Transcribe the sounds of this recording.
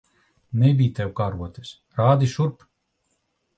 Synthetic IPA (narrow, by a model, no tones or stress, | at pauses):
nɛbʲijt̪ɛwkaːɾuɔt̪ɛs | ɾaːd̪iʃuɾp